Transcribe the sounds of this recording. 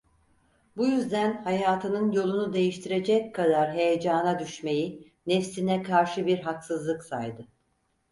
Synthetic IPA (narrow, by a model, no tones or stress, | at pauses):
bujyzd̪ænhajaːt̪ʰɯnɯnjo̞lˠunud̪e̞jiʃt̪ʰiɾe̞d͡ʒɛckʰːad̪aɾɦe̞jed͡ʒaːnad̪yʃme̞ji | nɛfsinɛkʰaɾʃɯbiɾɦaksɯzlˠɯksa̰jd̪ɯ